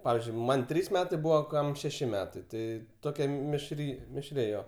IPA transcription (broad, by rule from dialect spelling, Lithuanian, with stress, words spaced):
ˈpɑːʋʲiːzʲd͡ʒʲʊɪ ˈmɐnʲ ˈtʲrʲiːs ˈmʲæːtɐɪ ˈbuːʋɐ ˈkɐm ʃʲɛˈʃʲɪ ˈmʲæːtɐɪ ˈtɐɪ ˈtoːkʲɛ mʲɪʃʲˈrʲiː mʲɪʃʲˈrʲɪ ˈjoː